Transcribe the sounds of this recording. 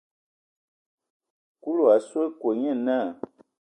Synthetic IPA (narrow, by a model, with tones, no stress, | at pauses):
ku˦lu˨a˨swe˦kwo˨ɲɛ̃˦˨nã˦˨